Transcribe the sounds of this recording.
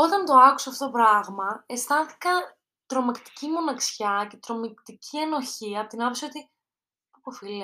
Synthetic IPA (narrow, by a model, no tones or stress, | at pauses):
o̞t̪ɐnt̪o̞ɐku̥seɐft̪ot̪opɾɐɣmɐe̞st̪ɐθi̥kɐ | t̪ɾo̞mɐkt̪i̥cimo̞nɐksçɐce̞t̪ɾo̞mikt̪icʰie̞no̞çiɐpot̪inɐpseot̪i | popofile